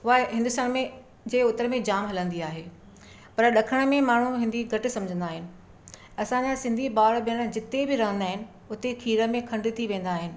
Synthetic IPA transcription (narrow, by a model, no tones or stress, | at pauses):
ɦʊɦaɦɪ̃nd̪ʊst̪aːnmẽ | d͡ʑeːʊt̪əɾmẽd͡ʑaːmɦɐlə̃nd̪iaːɦeː | pɐɾɗɐkʰəɽ̃əmẽmaːɳ̤uɦɪ̃n̆d̪iɡʱɐʈɪ̆sɐ̃md͡ʑʱə̃nd̪aːɦɪnɪ̆ | ɐsãɲd͡ʑasɪ̃nd̪ʱibaːɾbijəɽ̃̆d͡ʑɪt̪ebɪɾɐɦə̃nd̪aːɦɪnɪ̆ | ʊt̪ekʰiːɾə̆mẽkʰɐ̃ɳɖɪt̪ʰiʋẽːn̆d̪aːɦɪnɪ̆